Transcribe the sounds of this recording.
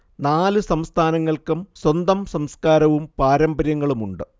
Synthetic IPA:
naːlɨsɐmst̪ʰaːnɐŋːɐɭkɨmswɐnd̪ɐmsɐmskaːɾɐʋumpaːɾɐmbɐɾjɐŋːɐɭumuɳɖɨ

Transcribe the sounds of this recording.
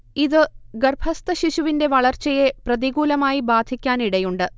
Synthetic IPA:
iðɨɡɐrbʱɐst̪ɐɕiɕuʋinde̞ʋɐɭɐrt͡ɕɐje̞prɐðiɣuːlɐmaːjibaːd̪ʱikʲːaːniɽɐjuɳɖɨ

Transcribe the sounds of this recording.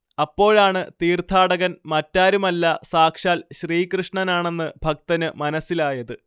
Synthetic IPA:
ɐpːo̞ːɻaːɳɨt̪iːrt̪ʰaːɽɐɣɐnmɐtːaːɾumɐlːɐsaːkʂaːlɕriːkrɨʂɳɐnaːɳe̞nːɨb̥ʱɐk̚t̪ɐnɨmɐnɐsːilaːjɐðɨ

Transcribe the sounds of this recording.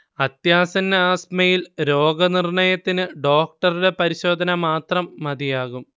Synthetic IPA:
ɐt̪jaːsɐnːɐaːsmɐjilɾo̞ːɡɐnirɳɐjɐt̪ːinɨɖo̞ːk̚ʈɐruɽe̞pɐɾiɕo̞ːd̪ʱɐnɐmaːt̪rɐmːɐd̪ijaːɣum

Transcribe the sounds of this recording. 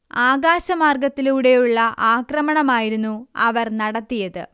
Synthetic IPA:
aːɣaːɕɐmaːrɡɐt̪ːiluɽe̞juɭːɐʔaːkrɐmɐɳɐmaːjiɾunːuɐʋɐrnɐɽɐt̪ːijɐðɨ

